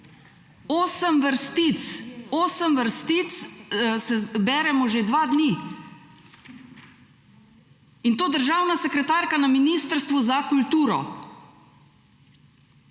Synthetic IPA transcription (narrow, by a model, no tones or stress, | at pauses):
oːsəmʋəɾst̪it̪soːsəmʋəɾst̪it̪ssɛbɛːɾɛmɔʒed̪ʋaːd̪niː | int̪oːd̪əɾʒaːwnasɛkɾɛt̪aɾkanaminiːst̪əɾst̪ʋɔzakult̪uːɾɔ̰